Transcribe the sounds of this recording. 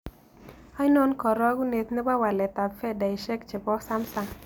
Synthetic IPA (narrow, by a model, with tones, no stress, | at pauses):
a˦jno˦nkɔ˨ɾɔ˦ɡu˦ne˨t̪nə˦ba˦wa˨lɛ˨t̪a˨fɛ˦da˨i˨ʃɛ˦k̚t͡ʃə˨bɔ˦ksa˦msa˨ŋ